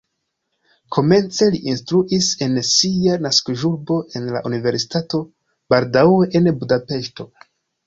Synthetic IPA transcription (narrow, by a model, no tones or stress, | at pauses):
kʰo̞me̞nt͡se̞liʔinstɾuʔise̞nsianaskoʒuɾbo̞ʔe̞nla̰ʔunive̞ɾsi̥tato̞ | b̥aldaweʔenbudape̞ʃto̞